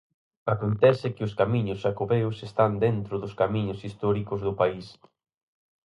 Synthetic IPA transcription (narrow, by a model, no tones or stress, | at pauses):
akont̪ɛsɪkɪʊskamiɲʊsːakoβeʊsest̪and̪ent̪ɾʊðʊskamĩɲʊsist̪ɔɾikʊzðʊpais